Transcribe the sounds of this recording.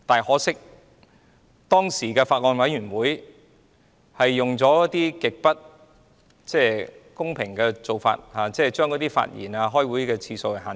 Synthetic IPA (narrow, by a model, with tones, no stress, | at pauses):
t̪aː˨jhɔː˨˥sɪ˥k̚ | t̪ɔː˥ŋsiː˨˩kɛː˧faː˧t̚ŋɔː˨˧nwɐ˨˥jɥyː˨˩nwuː˨˥j | hɐ˨jːʊ˨˩ŋt͡sɔː˨˥jɐ˥t̪iː˥kɪ˨k̚pɐ˥t̚ | t͡sɛː˥˩kʊ˥ŋpʰɪ˨˩ŋkɛː˧t͡so˨wfa̰ː˧t̚haː˨˩t͡sɛː˥˩t͡ʃœː˥ŋkɔ˨˧˥t̪iː˥fa̰ː˧t̚jḭː˨˩naː˧ɦɔː˥jwu˨˥jkɛː˧t͡sʰiː˧so˧hɵ˨˧jɦaː˨˩n